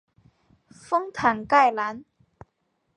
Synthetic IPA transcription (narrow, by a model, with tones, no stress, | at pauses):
fʊ˥ŋt̪ʰa˨˩ŋka˥˧˩jla˨˥n